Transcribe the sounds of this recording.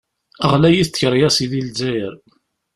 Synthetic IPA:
əʁlæjiθt͡sːçəɾˤjæsiðilzæjəɾ

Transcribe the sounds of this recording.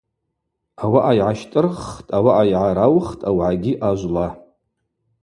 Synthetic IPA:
awaʔajʕaʃtʼɨrχtʼawaʔajʕaɾawχtʼawʕaɡʲiʔaʒʷla

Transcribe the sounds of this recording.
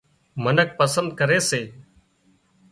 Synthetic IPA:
mənək̚pəsə̃nd̪̚kəɾeːseː

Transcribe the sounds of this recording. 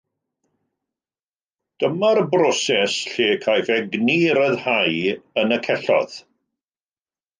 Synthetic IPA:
d̥əmarbrɔsɛsɬeːkʰajfɛɡniɾəðhajənəkʰɛɬɔ̰ð̥

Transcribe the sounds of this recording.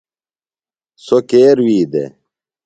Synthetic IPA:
sokeːɾwiːd̪ḛ

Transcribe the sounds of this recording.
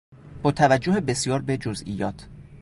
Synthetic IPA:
b̥ɒːt̪ʰævæd͡ʒːohebe̞sijɒːɾbed͡ʒozʔḭjɒːt̪ʰ

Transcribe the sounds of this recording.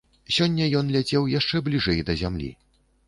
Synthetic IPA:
sʲɔnʲːɐjɔnlʲad͡zʲɛwjaʂt͡ʂɛblʲiʐɛjd̪ɐzʲamlʲḭ

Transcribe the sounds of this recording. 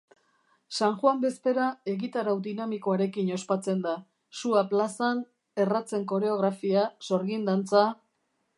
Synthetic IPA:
saŋxwambe̞spe̞ɾae̞ɣit̪aɾawd̪inamiko̞aɾe̞kiɲo̞spat͡se̞nd̪a | suaplasan | e̞rat͡se̞ŋko̞ɾe̞o̞ɣ̞ɾafiaso̞ɾɣind̪ant͡sa

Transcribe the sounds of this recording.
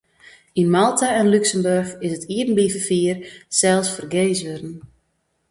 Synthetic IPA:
inmalˠtʰaɛnlyksəmbørxɪsətʰiərn̩bivəfiərsɛlˠsfərɡeːsʋørn̩

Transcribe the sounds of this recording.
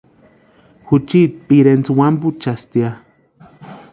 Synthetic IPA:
xut͡ʃipiɾent͡swamput͡ʃast̪ia

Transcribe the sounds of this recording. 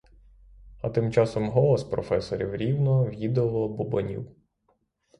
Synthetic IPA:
ɐt̪ɪmt͡ʃɑsɔmɦɔlˠɔspɾɔfɛsɔɾʲiwɾʲiwnɔwjid̪ɔlˠɔbubɔnʲḭw

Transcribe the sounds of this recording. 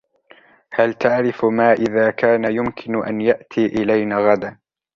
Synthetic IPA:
halt̪aʕɾɪfmaːʔɪðaːkaːnajʊmkʰɪnʔa̰njaʔt̪ʰiːʔɪlajnaːɣad̪an

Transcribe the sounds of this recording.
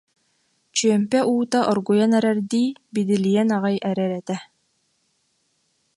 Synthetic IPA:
t͡ɕyœmpɛʔuːt̪aʔɔɾɡujanɛɾɛɾd̪iːbid̪ilijɛnaʁajʔɛɾɛɾɛt̪ɛ

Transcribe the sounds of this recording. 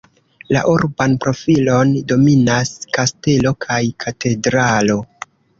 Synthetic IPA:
la̰ʔuɾbanpɾo̞filo̞ndo̞minaskaste̞lo̞kʰajkʰate̞dɾalo̞

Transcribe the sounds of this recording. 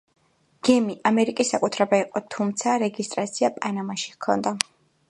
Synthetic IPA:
ɡ̥ɛmiʔamɛɾikʼisːakʼut̪ʰɾɛbaiqʼɔt̪ʰumt̪sʰaɾɛɡist̪ʼɾat̪sʰiapʼanamaʃi̥kʰɔ̰nd̪a

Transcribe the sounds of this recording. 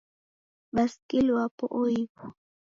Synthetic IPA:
baskɪlwapʊʔʊjkʊ̥

